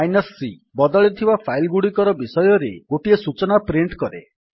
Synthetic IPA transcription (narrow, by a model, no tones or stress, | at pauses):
ajnɔsːi | bɔd̪ɔɭit̪ʰibapʰajlɡuɽikɔɾɔbisɔjɔɾḛɡoʈiesut͡ʃɔnapɾiɳʈkɔɾḛ